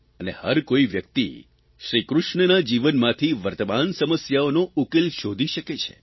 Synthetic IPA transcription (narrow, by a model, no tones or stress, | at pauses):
ənehəɾkoiʋjək̚t̪ḭ | ʃɾikɾʊʃɳənad͡ʒiʋənmãt̪ʰiʋəɾt̪əmansəməsjaonoukelʃod̪ʱiʃəket͡ʃʰḛ